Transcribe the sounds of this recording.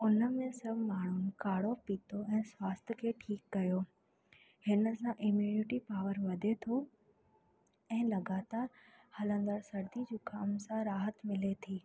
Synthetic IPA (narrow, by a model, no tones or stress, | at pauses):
ʊnə̆mẽsɐbʱmaːɳ̤ʊnɪ̆kaːɽopiːt̪oɛ̃ːswaːst̪̆ʰkʰeːʈʰiːkːɐjoː | hɪnə̆sãʔɪmjuːnɪʈipaːʋəɾʋɐd̪ʱet̪ʰo | ɛ̃ːlɐɡaːt̪aːɾ | hɐlə̃nd̪əɽsɐɾd̪id͡ʑuːkaːmsãɾaːɦət̪mɪlet̪ʰiː